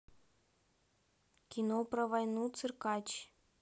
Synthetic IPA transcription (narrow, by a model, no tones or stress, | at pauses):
kʲinoprəʋɑjnut͡sɨrkɑt͡ɕ